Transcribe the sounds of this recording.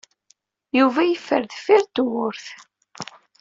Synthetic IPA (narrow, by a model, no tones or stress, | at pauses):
juvæjəfːəɾðfiɾt̪wʊɾθ